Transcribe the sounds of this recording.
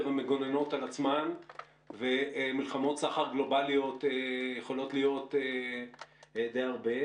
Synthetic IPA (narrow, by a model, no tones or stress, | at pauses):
ʁhameɡo̞neno̞talat͡sman | vemilχamo̞t̪saχaʁɡlo̞balio̞tejeχo̞lo̞tlijo̞te | d̪ejaʁbe̞